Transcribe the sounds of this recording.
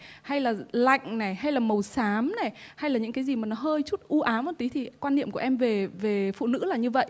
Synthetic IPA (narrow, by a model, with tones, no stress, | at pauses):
ha˧jlaː˨˩la̰˧˨jŋ̟na˨˩jɦa˧jlaː˨˩mə˨˩wsaː˨˦mna˨˩jha˧jlaː˨˩ɲɨ̰˧˥ŋkaː˨˦jzi˨˩maː˨˩nɔ˨˦ɦəː˧jt͡ɕu˦˥t̚ʔu˧ʔaː˨˦mo˨˩t̪i˨˦t̪ʰi˨˩kwaː˧nːḭ˧˨əmku˧˩əʔɛ˧mve˨˩ve˨˩fṵ˧˨nɨ̰˧˥laː˨˩ɲɨ˧və̰˧˨jʔ